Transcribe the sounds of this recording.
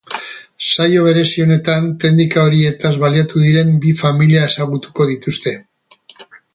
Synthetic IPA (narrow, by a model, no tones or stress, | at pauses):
sajo̞β̞e̞ɾe̞sio̞ne̞t̪ant̪e̞nd̪ikaoɾie̞t̪azβaliat̪uðiɾe̞mbifamiliae̞saɣut̪u̥ko̞ðit̪ust̪e̞